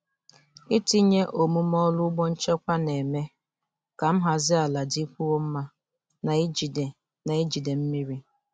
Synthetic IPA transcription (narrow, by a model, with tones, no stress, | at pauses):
i˦ti˦ɲe˦ʔo˨mu˦m˦ɔ˦lʊ˦ɡ͡bɔ˦n̩˦t͡ʃe˦kʷa˦ne˨me˦ | ka˨m̩˦ɦa˨zɪ˦a˨la˨di˦kʷu˦o˦m̩˦ma˦ | na˨˦d͡ʒi˨de˨ | na˨i˦d͡ʒi˨de˨m̩˦mi˦ɾi˦